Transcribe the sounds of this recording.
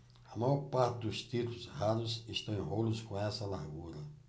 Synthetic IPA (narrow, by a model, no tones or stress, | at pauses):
amajɔɾpaɾt̪ɪd̪ust̪it̪uluzɦad̪uziʃt̪ɐ̃w̃ĩɦoluskõɛsɐlaɦɡuɾɐ